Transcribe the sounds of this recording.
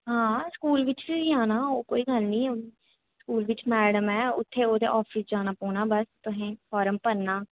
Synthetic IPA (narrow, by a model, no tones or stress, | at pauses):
ɦãːskuːlʋɪt͡ʃʋiiaːnaːoːkoːiːɡəlnĩː | skuːlʋɪt͡ʃmɛːɽəmɛːʊt̪ʰːeːoːd̪ḛːʔɔːpʰɪsd͡ʒaːnaːpoːnaːbəst̪ʊɦẽːfʰɔːɾəmpəɾnaː